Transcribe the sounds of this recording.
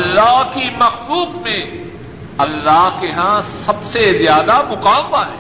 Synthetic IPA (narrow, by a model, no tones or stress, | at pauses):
ɐlːaɦkimɐxluːbmẽ | ɐlːaɦkeɦãsɐbsezjaːd̪amʊqaːmbaɦɛː